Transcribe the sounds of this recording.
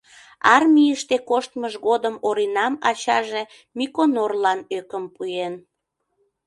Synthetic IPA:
ɑrmʲijəʃt̪ekoʃt̪məʒɣod̪əmoɾinɑmɑt͡ɕɑʒe | mikonorlɑnøkəmpuen

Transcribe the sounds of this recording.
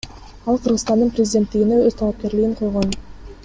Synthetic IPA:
ɑlˠqʰɯɾʁɯst̪ɑnd̪ɯnprʲɪzʲɪd̪ʲe̞nt̪ːiɡineøzt̪ʰɑlˠɑp̚ke̞ɾliɡiɴqʰo̞jʁon

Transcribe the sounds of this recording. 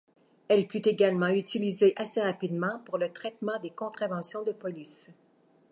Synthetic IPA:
ɛlfyt̪eɡalmɑ̃yt̪ilizeʔaseʁapid̪mɑ̃puʁlət̪ʁɛt̪mɑ̃d̪ekɔ̃t̪χavɑ̃sjɔ̃d̪əpɔlis

